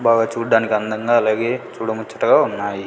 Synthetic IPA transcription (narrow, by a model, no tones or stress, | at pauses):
baːɡaːt͡ʃuːɖaːnikiɐnd̪ɐŋɡaːɐlaːɡeːt͡ʃuːɽɐmut͡ʃːɐ̥ʈɐɡaːunːaːji